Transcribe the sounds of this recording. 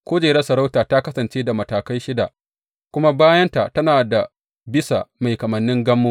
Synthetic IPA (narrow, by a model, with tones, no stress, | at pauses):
kʷoː˦d͡ʒeː˨ɾɐ˦sɐ˨ɾa˦wtaː˨ta˦kɐ˦sɐ˨nt͡ʃeː˦da˨mɐ˨taː˨kɐ˦jʃɪ˦da˨ʔ | kʷʊ˦ma˦baː˦jɐ˦nta˨tɐ˦naː˨da˨ | bɪ˦sa˨ma˨jkɐ˨mɐ˨nːɪ˦ŋɡɐ˦mːoː˦